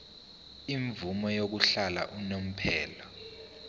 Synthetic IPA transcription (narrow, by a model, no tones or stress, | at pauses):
iɱvumɔjok̬uɬala̰ʔunom̩pʰɛːlɔ